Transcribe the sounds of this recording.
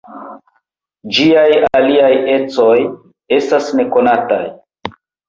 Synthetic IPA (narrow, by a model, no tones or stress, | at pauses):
d͡ʒiajaliaje̞t͡so̞j | e̞stasne̞ko̞nata̰j